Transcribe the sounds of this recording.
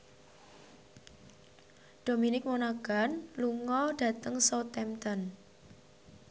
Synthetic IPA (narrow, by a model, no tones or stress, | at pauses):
ɖ̥o̤minɪk̚monaɡ̥a̤nluŋɔɖ̥ä̤t̪əŋsot̪ɛmt̪ən